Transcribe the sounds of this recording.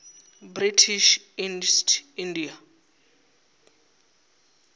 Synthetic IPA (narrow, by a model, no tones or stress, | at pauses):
britʰiʃ | instʰindia